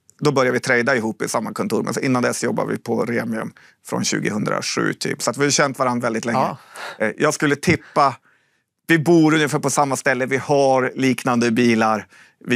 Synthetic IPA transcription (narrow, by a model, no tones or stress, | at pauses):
d̪ɔbœɾjaɾvɪt̪ʰɾɛjd̪aɪɦuːpːɪsamːakʰɔnt̪uːɾmɛ̰nsɔʔɪnːand̪ɛsjɔbːa̰vɪ̰pʰɔɾeːmɪɵ̰m | fɾɔ̰nɕʉ̟̰ːɡɪhɵnd̪ɾa̰ɧʉ̟̰ːt̪ʰy̰ːpsɔat̪vɪhajɕɛnt̪vaɾanɾvɛld̪ɪt̪lɛːəjʔɑːɡskɵlːət̪ʰɪpːa | vɪbuːɾɵnjəfæːpɔsamːast̪ɛlːəvɪhaɾliːknand̪əbiːlaɾ | vɪ